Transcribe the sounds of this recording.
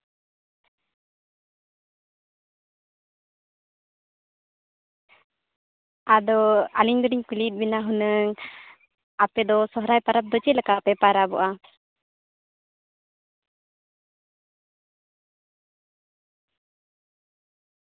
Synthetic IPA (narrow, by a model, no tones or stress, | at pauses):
ad̪ɔaliɲd̪ɔɖiɲkulit̪̚ˀbinaɦɔnəŋ | apɛd̪ɔsɔɦɾajpaɾap̚d̪ɔt͡ʃit̪̚lakapɛpaɾabɔʔa